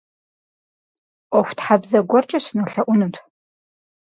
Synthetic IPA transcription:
ofʷtħabzɐɡʷɔrt͡ʃʼɪsnuɬɐʔʷʊnɨtʰʼ

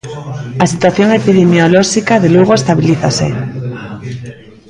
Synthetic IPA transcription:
asit̪waθjoŋepiðemjoloʃikaðeluɣ̞oest̪aβiliθasḛ

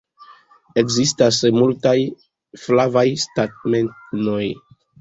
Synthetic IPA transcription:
e̞kzistasmultaj | flavajstat̚me̞ntno̞j

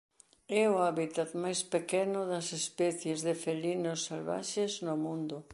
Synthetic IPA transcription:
ɛʊaβit̪at̪majspekɛnʊðɐsespɛθjezðɪfelinosːalβa̰ʃeznʊmũnd̪ʊ

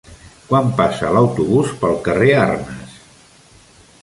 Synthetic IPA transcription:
kwampasəːləwt̪uβuspəlˠkərearnəs

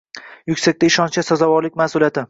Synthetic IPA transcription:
jʊkʲsak̚ʲt̪ʰaɪʃɒnt͡ʃasɒzavɒɾlɪk̚ʲmasʊlijat̪ʰɪ

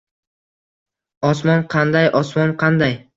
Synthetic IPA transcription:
ɒsmɒnqʰɑnd̪ajʔɒsmɒnqʰɑnd̪aj

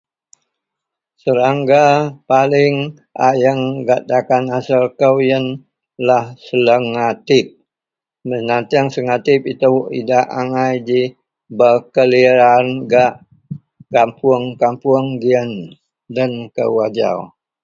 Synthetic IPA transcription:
səɾaŋɡapalɪŋ | ʔa̰jəŋɡaʔd̪akanasəlkəwjən | lahsələŋat̪ɪp̚ | mənat̪iaŋsəŋat̪ɪpit̪əwʔḭdaʔaŋajd͡ʒi | bəkəliɾanɡaʔ | kampʊəŋkampuəŋɡiən | dənkə̰wad͡ʒa̰w

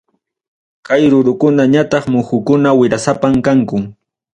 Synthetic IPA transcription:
kajɾʊɾʊkʊnaɲat̪ɑχmʊxʊkʊnawɪɾasapamkaŋkʊŋ

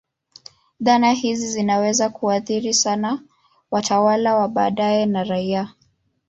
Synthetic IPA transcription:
ðanahizizinawɛzakuaθiɾisana | watʰawalawaɓaːɗajɛnaɾaia

